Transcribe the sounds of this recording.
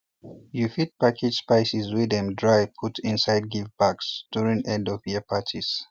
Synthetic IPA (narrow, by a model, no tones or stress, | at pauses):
jufit̚pakʰɪd̥spaɪsizwiðɛ̃mdɹaɪpʰutʰĩnsaɪd̚ɡivbaksd̥uɹĩŋɛ̃ndɔvjiəpʰatʰiz̥